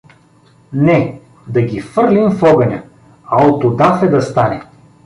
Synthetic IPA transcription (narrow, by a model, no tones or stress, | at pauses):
nɛ | d̪ɐɡʲifɤɾlʲimfɔɡɐnʲɐ | ɐot̪od̪afɛd̪ɐst̪anɛ